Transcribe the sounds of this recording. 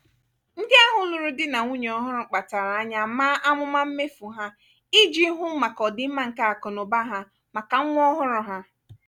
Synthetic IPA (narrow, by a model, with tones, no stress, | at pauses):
n̩˦dɪ˦a˦ɦʊ˦nu˨ɾu˦dɪ˦na˨ŋu˦ɲe˨ɔ˦ɦʊ˦ɾʊ˨k͡pa˨ta˨ɾa˨a˦ɲa˨maː˦ʔa˦mʊ˦ma˦m̩˦me˦fu˨ɦa˦ | i˦d͡ʒi˦ɦʊ˦m̩˦ma˨kɔ˨dɪ˦m̩˦ma˦ŋ̩˨ka˦a˨kɔ˨no˨ba˦ɦa˦ | ma˨ka˨ŋ̩˦ŋʷ˦ɔ˦ɦʊ˦ɾʊ˨ɦa˦